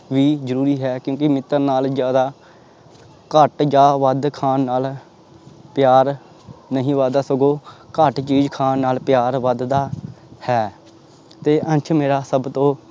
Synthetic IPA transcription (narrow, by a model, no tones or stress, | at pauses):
ʋiːzəɾuːɾiːɦɛːkjõːk̬ɪmɪt̪ːəɾnaːld͡ʒjaːd̪aː | kəʈd͡ʒaːʋəd̪kʰaːnːaːl | pɪjaːɾ | nəɦĩːʋəd̪aːsəɡoːkəʈt͡ʃiːd͡ʒkʰaːnːaːlpjaːɾʋəd̪d̪aːhɛː | t̪eːʔənt͡ʃʰmeːɾaːsəbt̪õː